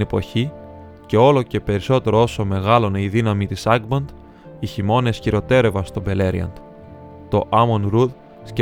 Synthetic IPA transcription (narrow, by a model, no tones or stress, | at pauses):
epo̞̰çi | ce̞o̞lo̞ce̞pe̞ɾiso̞t̪e̞ɾo̞o̞so̞me̞ɣɐlo̞ne̞iðinɐmit̪isɐɡbɐnd̪ | içimo̞ne̞sçiɾo̞t̪e̞ɾe̞vɐnst̪o̞be̞le̞ɾḭɐ̰nd̪̥ | t̪o̞ʔɐmonɾud̪ | sce